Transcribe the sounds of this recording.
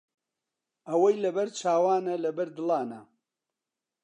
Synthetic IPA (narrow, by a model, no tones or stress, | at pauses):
ɐwɐjlɐbɐɾt͡ʃʰaːwaːnɐlɐbɐɾd̪ɨlɑːnɐ